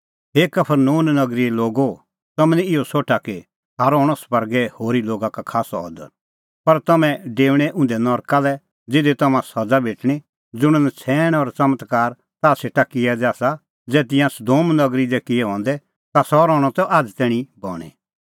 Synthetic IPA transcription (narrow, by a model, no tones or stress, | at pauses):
ɦeːkɐpʰəɾnuːnnɐɡɾiloːɡo | t̪ɐmɛ̃nɛɪosoːʈʰake | saːɾɔːɽ̃ɔspɐɾɡɛhoːɾiloːɡakakʰaːsɔɔ̰d̪ə̰ɾ | pɐɾt̪ɐmɛ̃ɖeːʋɽ̃ɛʔʊ̃nd̪ɛnɔːɾkalɛ | d͡zɪd̪et̪ɐmãsɐd͡zabʱeːʈɽ̃i | d͡zʊɽ̃ənɛt͡sʰɛːɽ̃ɔɾt͡sɐmət̪kaːɾ | t̪aseːʈakɪjɛd̪aːsa | d͡zɛːt̪̬ɪ̃jãsʊd̪oːmnɐɡɾid̪ɛkɪɛɦɔ̃ːnd̪ɛ | t̪asɔɾɔ̃ːɔt̪ɔʔaːd͡zt̪ɛːɽ̃ibɔːɽ̃ɛ̰